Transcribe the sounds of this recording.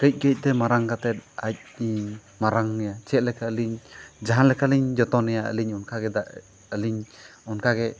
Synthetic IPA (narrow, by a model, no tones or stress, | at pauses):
kəc̚ˀkəc̚ˀt̪ɛmaɾaŋkat̪ɛt̪̚ac̚ | maɾaŋnɛjat͡ʃɛt̪̚lɛkʰaəliɲd͡ʒaɦanlɛkʰaliɲd͡ʒɔt̪ɔnɛjaʔə̰liɲɔnkʰaɡɛd̪aʔ | əliɲɔnkʰaɡɛ